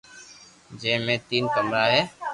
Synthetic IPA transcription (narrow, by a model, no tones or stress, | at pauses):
d͡ʒẽːmẽːt̪iːnkəmɾaːɦeː